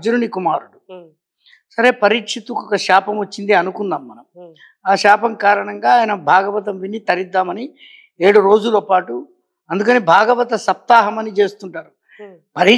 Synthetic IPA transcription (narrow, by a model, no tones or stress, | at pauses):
d͡ʒuɾunikumaːɾuɽu | sɐɾe̞ːpɐɾikʂit̪ukɔkɐʂaːpɐmot͡ʃːind̪iɐnukund̪aːmːɐnɐm | aːʃaːpɐmkaːɾɐɳɐŋɡaːjɐnɐbʱaːɡɐʋɐt̪̬ɐmʋinːit̪ɐɾid̪ːaːmɐni | e̞ːɽuɾo̞ːd͡ʒulopaːʈu | ɐnd̪ukɐniːbʱaːɡɐʋɐt̪ɐsɐp̚t̪aːɦɐmɐnit͡ʃe̞ːst̪uɳʈaːɾu | pɐɾi